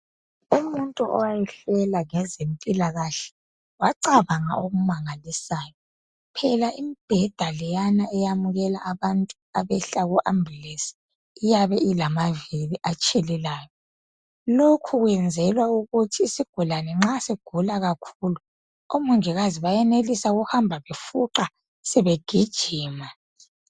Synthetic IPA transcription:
umuntʼuʔɔ̰wajɛɬɛlaŋɛzempʼilaɣaɬɛ̥ | waǀaβaŋa̰oɣumaŋalisaːjɔ | pʰɛlaʔimib̥ʱɛd̥ʱalɛjanaɛjamuɣɛlaʔːβantʼuaβɛɬaɣuʔambʱlesi̥ː | jaβɛilamaviliʔat͡ʃʼɛlɛlaːjɔ | lokʰuɣwɛnd͡zʱɛlwauɣutʰiːsiɡ̥ʱulanɛŋ͡ǁaseɡ̥ʱulaɣakʰulu | omuŋʱiɣaziβajɛnelisaɣuhambʱaβefuǃa | sɛβeɡ̥ʱid̥ʒ̥ʱiːma

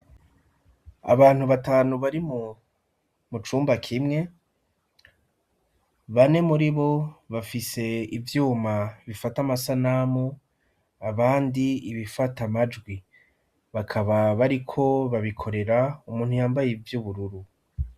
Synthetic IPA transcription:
a̰βaːn̥uβataːnuβaɾimu | mut͡ʃuːmbakʰimŋe̞ | βane̞muɾiβo̞βafise̞ivjuːmaβifatamasanamu | aβaːndiiβifatamad͡ʒɡwi | βakʰaβaβaɾikʰo̞βaβikʰo̞ɾe̞ɾaumuːn̥hujaːmbajivjuβuɾuɾu

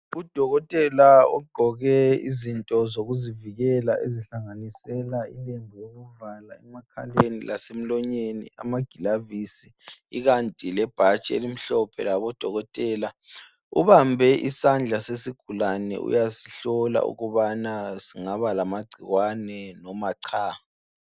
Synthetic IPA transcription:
ud̥ʱɔɣɔtʼɛlaɔ̰ɡ͡ǃʱɔɣɛḭzintʼɔzoɣuziviɣɛlaʔeziɬaŋanisɛlaileŋʱɔjoɣuvala̰ɛmakʰalenilʔasem̩lɔɲenḭa̰maɡ̥ʱilavisi | iɣantʼilɛb̥ʱat͡ʃʼḛlim̩ɬɔpʰɛ̰laβɔd̥ʱɔɣɔtʼɛːla | ṵβambʱɛʔisand͡ɮʱasesiɡ̥ʱulanɛ̰ṵjasiɬɔla̰ṵɣuβanasiŋaβalamaɡ͡ǀʱiɣwanɛnɔmaǀʰaːa

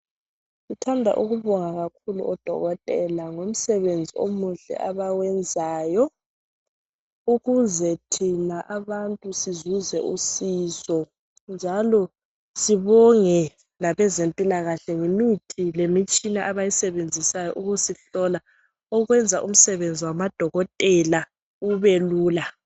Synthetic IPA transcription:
sitʰandʱa̰ʔuɣuβɔŋaɣakʰulṵɔd̥ʱɔ̰ɣɔtʼɛlaŋom̩sɛβend͡zʱio̰muɬɛ̰ʔaβawɛnd͡zʱaːjɔ | uɣuzɛtʰinaʔaβantʼusizuzɛʔusizɔ | nd͡ʒʱalɔ | siβɔŋɛ | naβɛzempʼilaɣaɬɛŋinwitʰilemit͡ʃʼinaʔaβajisɛβend͡zʱisajɔ̰ʔuɣusiɬɔla | ɔɣwɛnd͡zʱaʔum̩sɛβend͡zʱiwamad̥ʱɔɣɔtʼɛla | uβɛluːla

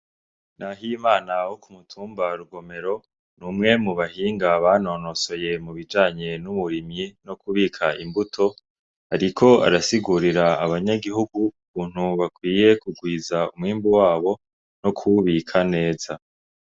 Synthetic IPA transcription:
naɦimaːnahokumutʰuːmbaɾuɡo̞me̞ɾo̞ | numŋe̞muβahiːŋɡaβano̞no̞so̞je̞muβid͡ʒaːɲe̞numuɾimɲino̞kuβiːkʰaʔimbutʰo̞ | haɾikʰo̞a̰ɾasiɡuɾiɾaaβaɲaɡiɦuɡuuβuːn̥huβakwiːje̞kuɡwiːzaumŋiːmbuwaːβo̞ | no̞kʰuβikʰane̞ːza

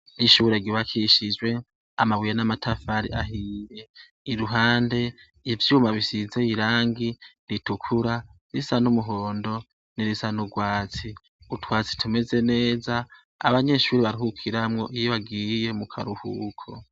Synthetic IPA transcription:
niʃuːɾe̞ɡiβakʰiʃid͡ʒwe̞ | a̰maβijenamatʰafaɾḭʔaɦiːje̞ | iɾuɦaːnde̞ | ivjuːmaβisize̞iɾaːŋɡinitukʰuɾa | ɾisanumuɦoːndo̞ | niɾisanuɡwaːt͡si | utʰwaːt͡si̥tʰume̞ze̞ne̞ːza̰ː | βaɲe̞ʃuːɾiβaɾihukʰiɾamŋo̞ʔijoβaɡiːje̞mukʰaɾuhṵkʰo

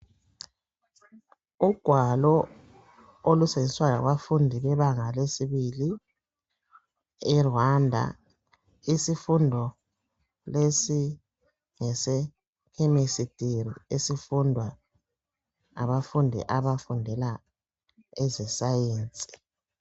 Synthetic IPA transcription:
uɡ̥ʱwalɔ | oluseiswala̰ɣwafundʱiβɛβaŋalesiβili | ɛrwandʱa̰ | isifundʱɔ | lesi | ŋɛsɛ | kʰemisitʼirḭesifundʱwa | a̰βafundʱḭʔaβafundʱɛla | ɛzɛsajeːnt͡sʼi̥

